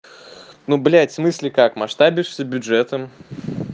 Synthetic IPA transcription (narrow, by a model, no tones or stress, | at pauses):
nublʲæt̪ʲsmɨsʲlʲɪkakmɐʂt̪abʲɪʂsʲəbʲʊʐɛt̪əm